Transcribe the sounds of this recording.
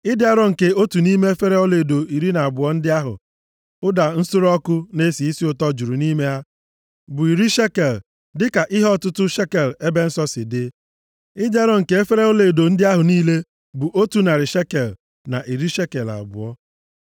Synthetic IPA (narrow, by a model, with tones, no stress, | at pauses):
ɪ˦dɪ˦a˦ɾɔ˦ŋ̩˨ke˨o˦tu˨ni˦me˦e˦fe˦ɾe˦ɔ˦le˨do˨i˨ɾi˦na˨a˨bʊ˨ɔ˦n̩˦dɪ˦a˦ɦʊ̰˨ | ʊ˦da˨n̩˦sʊ˦ɾɔ˦kʊ˦ne˦si˨i˦si˦ʊ˨tɔ˦d͡ʒu˨ɾu˨niː˦me˦ja˦ | bʊ˨i˨ɾi˦ʃe˦ke˨l | dɪ˦ka˨ʔɪ˦ɦɔ˦˨tʊ˦tʊ˦ʃe˦ke˨le˦be˦n̩˦sɔ˦sɪ˨dɪ˦ | ɪ˦dɪ˦a˦ɾɔ˦ŋ̩˨ke˦e˦fe˦ɾe˦o˦le˨do˨n̩˦dɪ˦a˦ɦʊ˨niː˦le˦ | bʊ˨ʔo˦tu˨na˨ɾɪ˨ʃe˦ke˨l | na˨ʔi˨ɾi˦ʃe˦ke˨la̰˨bʊ̰˨ɔ˦